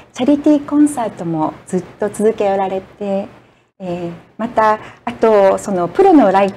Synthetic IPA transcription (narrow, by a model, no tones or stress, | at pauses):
t͡ɕaɾʲit̪ʲiːkõ̞ɰ̃saːt̪o̞mo̞d͡zɨt̪ːo̞t͡sɨzɨke̞oɾaɾe̞t̪e̞ | mat̪aːt̪o̞so̞no̞pɯ̟ɾo̞no̞ɾai